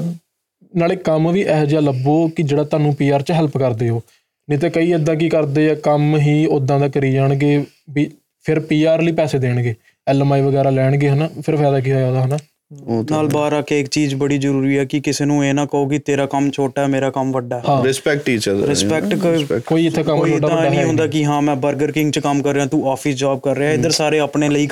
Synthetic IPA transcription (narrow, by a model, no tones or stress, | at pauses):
naːɭeːkəmʋiːʔɛːd͡ʒaːləboːkɪd͡ʒeːɽaːt̪ʊaːnũːpiːaːɾt͡ʃɦɛlpkəɾd̪eːɦoː | niːt̪̬eːkəiːəd̪ãːk̬iːkəɾd̪eːaːkəmɦiːod̪ãːd̪aːkəɾiːd͡ʒaːɳɡeː | biː | pʰɪɾpiːaːɾliːpɛːseːd̪eːɽɡeː | ɛːlmaːiːʋəɡɛːɾaːlɛːɽɡeːɦənaːpʰɪɾpʰɛːd̪aːk̬iːɦaːjaːd̪aːɦənaː | naːlbaːɾaːkeːɪkt͡ʃiːzbəɽiːzəɾuːɾiːɛːkɪkɪseːnũːeːnãːkəoːkɪt̪eːɾaːkəmt͡ʃʰoːʈaːɦɛːmeːɾaːkəmʋəɖaːɦɛɦãːɾɪspɛk̚ʈʈːiːt͡ʃəɾɪspɛkʈkoːiːɪt̪ʰːeːkəmːt͡ʃioːʈaːaə̃ãːɖaːɦɛːɦõːnd̪aːkɪɦãːmɛ̃ːbəɾɡəɾkɪ̃ŋɡt͡ʃkəmkəɾːeãːt̪ũːaːpʰɪsd͡ʒaːb̚kəɾːeãːɪd̪əɾsaːɾeːəpɳeːləiː